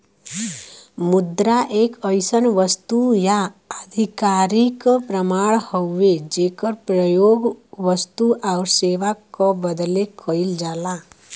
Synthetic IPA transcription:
mud̪ɾaʔeːkəjsənʋəst̪ujaəd̪ʱikaɾikpɾəmaɭhɔed͡ʒeːkəɾpɾəjoɡʋəst̪uʔaʊɾseʋakɔbəd̪lekʰəild͡ʒaːla

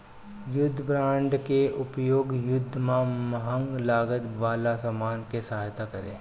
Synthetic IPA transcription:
jʊd̪ʱːbɾãːɳɖkeʔʊpjoːɡjʊd̪ʱːmãmɐɦə̃ŋɡlaːɡət̪ʋaːlasamaːnkesɐɦaːjt̪akəɾḛː

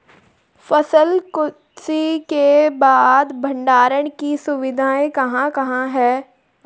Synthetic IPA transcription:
fɐsəlkʊ | sikebaːd̪bʱə̃ɳɖaːɾəɽ̃kisʊʋɪd̪ʱaːẽkɐɦãkɐɦãɦɛː

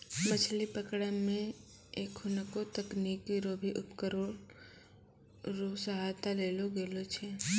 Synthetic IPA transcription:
mət͡ʃʰlipəkɽamẽ | eːkhʊnəkot̪əkniːkːiɾoːbʱiʔʊpkəɾoːɽ | ɾosəɦaːt̪aleːloɡeːlot͡ʃʰe

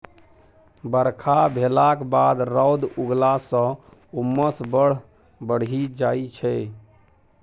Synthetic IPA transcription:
bəɾkʰabʱelakbad̪ɾɔwd̪uɡlasə̃ | umːəsbəɽ̤ | bəɽ̤id͡ʒait͡ʃʰɛ

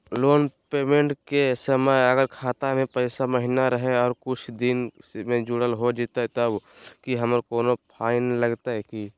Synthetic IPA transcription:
loːnpeːmẽɳʈkesəməjəɡəɾkʰaːt̪amẽpəɪsaməɦinaɾəɦeɔːɾkʊt͡ʃʰd̪ɪnmẽd͡ʒʊɽəlɦod͡ʒit̪aɦɛt̪əbkiɦəməɾkoːnopʰaːɪnləɡt̪aɦɛki

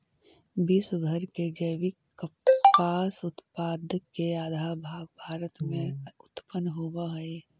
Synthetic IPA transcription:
biːsɡʱəɾked͡ʒəɪwi | kəpaːsʊt̪paːd̪keaːd̪ʱabʱaːɡbʱaːɾət̪mẽʊt̪pənɦuwaɦɛe

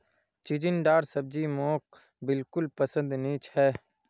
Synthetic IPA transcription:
t͡ʃid͡ʒɪnɖaːɾsəb̚d͡ʒimoːk̚ | bɪlkʊlpəsə̃nd̪niːt͡ʃhɛː

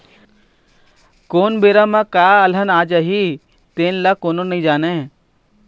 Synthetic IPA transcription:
koːnbeːɾamãkaːɐlənaːd͡ʒaɦi | t̪eːnlakoːnonəɦĩd͡ʒaːne

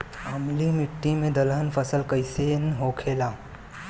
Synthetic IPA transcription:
amlimɪʈːimẽd̪ɐlɦənpʰəsəlkəɪsenɦoːkʰeːlaː

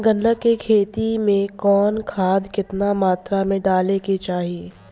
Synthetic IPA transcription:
ɡə̃nɖəkːekʰeːt̪imẽkɔːnkʰaːd̪kɪt̪namaːt̪ɾamẽɖaːleket͡ʃaːɦieː

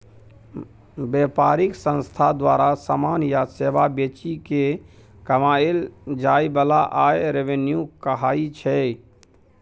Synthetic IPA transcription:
beːpaɾɪksə̃nst̪ʰad̪waɾasamaːnjasebabet͡ʃike | kəmaːeld͡ʒaːibəlaʔaːeɾeʋenjukəɦaːit͡ʃʰɛ

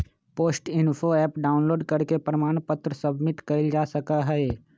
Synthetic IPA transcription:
poːsʈɪnfʰoɛːpɖaːʊnloːɖkɐɾkepɾəmaːɽ̃pət̪ɾəsɐbmɪʈkɐɪld͡ʒaːsɐkaɦɛe

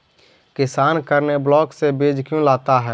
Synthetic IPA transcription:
kɪsaːnkəɾneblɔːksebeːd͡ʒkjũlaːt̪aɦɛː

